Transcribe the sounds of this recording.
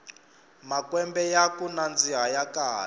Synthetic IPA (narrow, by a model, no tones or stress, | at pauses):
makwɛmbɛjakunand͡ziɦajakaːl